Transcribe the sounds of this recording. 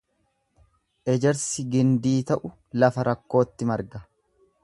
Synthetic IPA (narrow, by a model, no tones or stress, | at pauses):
ʔɛd͡ʒɛɾsɪɡɪnd̪iːt̪ɐʔʊ | lɐfɐɾɐkːo̞ːt̪ːɪmɐɾɡɐ